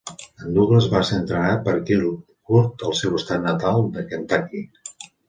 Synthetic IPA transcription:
ənd̪uɣləzβaseənt̪ɾənapəɾkil | kuɾt̪əlˠsewəst̪at̪nət̪alˠd̪əkənt̪aki

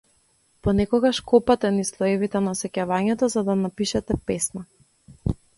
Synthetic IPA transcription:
pɔnɛkɔɡaʃkɔpat̪ɛnislˠɔɛvit̪ɛnasɛcavaɲɛt̪ɔzad̪anapiʃɛt̪ɛpɛsna

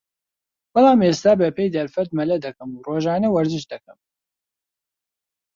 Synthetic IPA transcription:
b̥ɨlɑːmeːst̪aːbɛpejd̪ɐɾfɛt̪̚mɛlɛd̪ɛkɨmuːroːʒɑːnɛwɐɾzɨʃd̪ɛkɨm

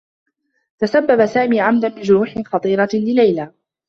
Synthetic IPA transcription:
t̪asabːabasaːmiːʕamd̪anbɪd͡ʒʊɾuːħɪxɑt̪ˤiːɾɑlɪlajlaː

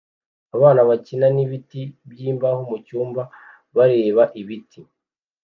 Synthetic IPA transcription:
aβaːnaβacinaniβitibjiːmbahomucuːmba | βaɾe̞ːβaʔiβitʰi

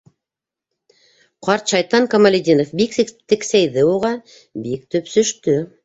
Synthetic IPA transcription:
qɑɾt̪ʃɑjt̪ɑŋkɐmɐlʲɪd̪ʲinofbikst̪ɘ̆ksæjðɘuʁɑ | bik̚t̪ɵpsɵ̆ʃt̪ɵ

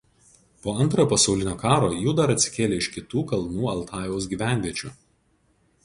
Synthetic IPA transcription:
poːɐnˑt̪ɾoːpɐsɒʊlʲɪnʲoːkɑːɾoːjuːd̪ɐɾɐt̪ʲsʲɪ̥kʲeːlʲeːɪʃkʲɪt̪uːkɐlˠnuːɐlˠt̪ʰɑːjʋoʊs̬ɡʲiːʋʲæˑnʲʋʲiɛt͡ʃʲṵː

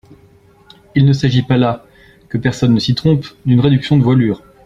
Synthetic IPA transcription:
ilnəsaʒipala | kəpɛʁsɔnːəsit̪χɔ̃pd̪ynʁed̪yksjɔ̃d̪əvwalyːʁ

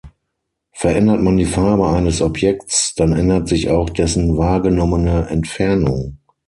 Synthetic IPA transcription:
fɛɐʔɛndɐtmandiːfaɐbəaɪnəsɔpjɛktt͡sd̥anʔɛndɐtz̥ɪça̰ʊxd̥ɛsn̩vaːɐɡənɔmənəʔɛ̰ntfɛɐnʊ̰ŋ

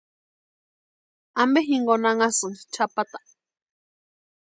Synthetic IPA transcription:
ambeɦiŋɡonaŋasɨnt͡ʃʰapat̪ḁ

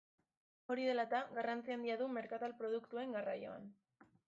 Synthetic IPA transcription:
o̞ɾiðe̞lat̪aɣarant͡siand̪iaðume̞ɾkat̪alpɾo̞ð̞ukt̪ue̞ŋɡarajo̞̰a̰n

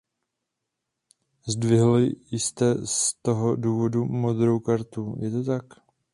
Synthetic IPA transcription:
zdvɪɦlɪjɪst̪ɛst̪oɦoduːvo̞dumod̪ɾo̞wkaɾt̪ujɛt̪ot̪ak

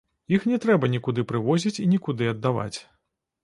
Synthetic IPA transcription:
jixnʲɛt̪ɾɛbɐnʲikud̪ɨpɾɨvɔzʲit͡sʲinʲikud̪ɨɐd̪ːava̰t͡sʲ

